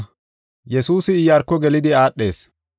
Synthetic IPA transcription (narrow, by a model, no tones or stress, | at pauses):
jɛsuːsɪːjɐɾkːɔɡɛlɪd̪ɪaːɗːe̞̰ːs